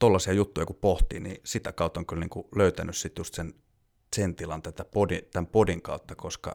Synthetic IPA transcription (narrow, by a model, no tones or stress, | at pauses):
t̪olːɑsiɑjut̪ːujɑkuppoht̪ḭːnḭsit̪ækɑˑut̪ːoŋkylniːŋkuløyt̪ænyssit̪just̪sen | sent̪ilɑnt̪æt̪æpodit̪æmpodiŋkɑut̪ːɑkoskɑ̰